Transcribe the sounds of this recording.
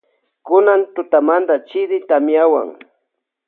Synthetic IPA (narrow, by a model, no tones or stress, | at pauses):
kʊnant̪ʊt̪amand̪at͡ʃɪɾɪt̪amjawa̰ŋ